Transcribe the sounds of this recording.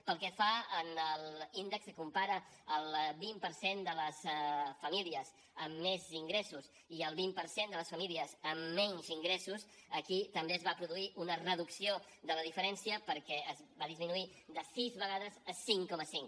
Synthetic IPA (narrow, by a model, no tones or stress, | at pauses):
pəlˠkɛfaənəlind̪əkskumpaɾə | əlˠβimpəɾsend̪ələsfəmiliəz | əmːeziŋɡɾesus | iəlˠβimpəɾsend̪ələsfəmiliəzəmːɛɲziŋɡɾesusəkit̪əmbeəzβapɾuðuiʔunərəðuksio | d̪ələðifəɾɛnsiəpəɾkɛəzbaðizminui | d̪əsizβəɣaðəzəsiŋkɔməsiŋ